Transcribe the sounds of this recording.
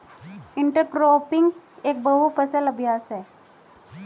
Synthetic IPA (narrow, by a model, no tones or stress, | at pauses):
iɳʈəɾkɾoːpiŋɡeːk̚bəɦupəsələbʱjaːsɦɛ